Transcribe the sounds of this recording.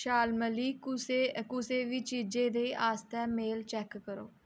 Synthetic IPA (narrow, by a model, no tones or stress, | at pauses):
ʃaːlməliːekʊseːʋiːt͡ʃiːd͡ʒẽːd̪eːʔaːst̪ɛːmeːlt͡ʃɛːkːəɾo̰ː